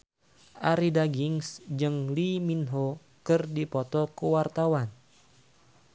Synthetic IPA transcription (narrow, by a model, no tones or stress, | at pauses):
ʔaɾidaɡiŋsd͡ʒɨŋliminɦo | kɨrdipɔt̪ɔkəwart̪awan